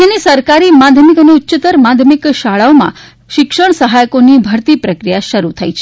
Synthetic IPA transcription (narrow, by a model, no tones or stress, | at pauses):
enisəɾkaɾimad̪ʱjmikəneutːt͡ʃət̪əɾmad̪ʱjəmikʃaɭaomã̰ | ʃɪkʃəɳ̃səɦajkonibʱəɾt̪ipɾəkɾijaʃəɾut̪ʰəit͡ʃʰ